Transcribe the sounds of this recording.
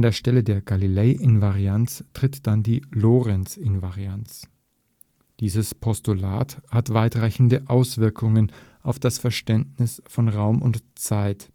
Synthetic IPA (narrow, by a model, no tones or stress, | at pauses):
andeːɐʃtɛlədeːɐɡalileɪʔɪnvaʁiant͡stʁ̥ɪtd̥andiːloːʁɛnt͡sɪnvaʁiant͡s | d̥iːzəspʰɔstula̰ːthatv̥aɪtʁ̥aɪçn̩dəʔaʊsv̥ɪɐkʰʊŋənʔaʊfd̥asfɛɐʃtɛntnɪsfɔnʁaʊmʊntt͡saɪt